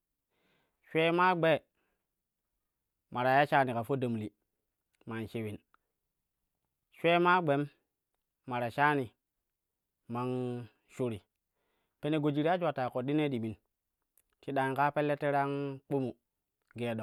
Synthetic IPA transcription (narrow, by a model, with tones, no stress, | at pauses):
ʃʷe˦ma˦ɡ͡be˦˨ | ma˨ɾa˨ja˦ʃa˦ni˨ka˨fo˦də˨m˨li˨ | ma˨nʃe˨wi˨n | ʃʷe˦ma˦ɡ͡be˨˦mː | a˨ɾa˨ʃa˦ni˨ | ma˨ŋ | ʃu˨ɾi˨ | pe˦ne˨ɡo˨d͡ʒi˨ɾi˦a˦d͡ʒʷa˨ta˨ko˨ɗi˦ne˦ɗi˨mi˨n | ti˦ɗa˨ŋka˦pe˦lːe˦tːe˦ɾa˦ŋk͡pu˦mu˨ | ɡe˨ɗo˨